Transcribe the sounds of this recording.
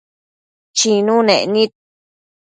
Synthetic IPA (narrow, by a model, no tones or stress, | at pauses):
t͡ʃinunenit̪̚